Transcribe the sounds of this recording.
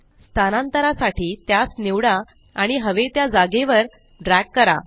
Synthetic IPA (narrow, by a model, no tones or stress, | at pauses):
st̪ʰanant̪əɾasaʈiːt̪jasniʋɽa | aɽ̃iɦəʋet̪jad͡zaɡeʋəɾ | ɖɾækːəɾa̰